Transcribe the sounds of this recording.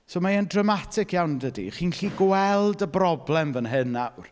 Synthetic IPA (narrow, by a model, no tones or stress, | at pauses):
somaəndrəmatʰɪkʰjawndədḭχiːnɬiɡwɛlˠdəbrɔblˠɛmvənɦɨnawr